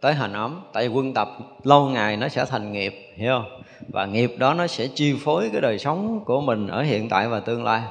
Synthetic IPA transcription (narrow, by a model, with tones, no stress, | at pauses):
t̪əː˨˦jɦaː˨˩ŋ̟ʔə˨˦mt̪a̰ː˧˨vi˨˩kwə˧nt̪ə˨˩p̚ | lə˧wŋaː˨˩jnɔ˨˦sɛ̰˧˥˩t̪ʰa˨˩jŋ̟ŋi˨˩p̚hi˧ə˧w | vaː˨˩ŋi˨˩əp̚ɗɔ˨˦nɔ˨˦sɛ̰˧˥t͡ɕi˧fo˨˦jkaː˨˦jɗəː˨˩jsə˨˦wŋ͡mku˧˩əmï˨˩ŋ̟ʔəː˧˩hḭ˧˨ənt̪a̰ː˧˨jvaː˨˩t̪ɨ˧əŋla̰ː˧j